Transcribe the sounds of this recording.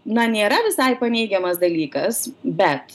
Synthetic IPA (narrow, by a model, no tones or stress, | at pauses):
nɐnʲeːɾɐʋʲɪsɐɪpɐnʲɛɪɡʲɛmɐsd̪ɐlʲiːkɐsbʲɛt̪